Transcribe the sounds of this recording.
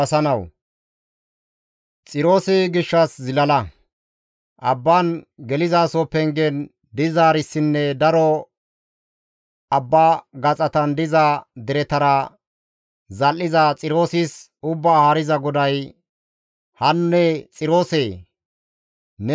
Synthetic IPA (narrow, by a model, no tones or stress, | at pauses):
ɐsɐnɐw | t͡sʼɪɾo̞ːsɛɡɪʃːɐszɪlɐlɐ | ʔɐbːanɡɛlɪzaːsoːpːɛŋɡɛn | d̪ɪzaːɾɪsːɪnːɛd̪ɐɾɔ | ɐbːaːɡɐt͡sʼɐt̪ɐnd̪ɪzad̪ɛɾɛt̪ɐɾɐ | zɐlːɪzat͡sʼɪɾo̞ːsɪs | ʊbːaːhaːɾɪzɐɡɔd̪ɐj | hɐnːɛt͡sʼɪɾo̞ːseː | n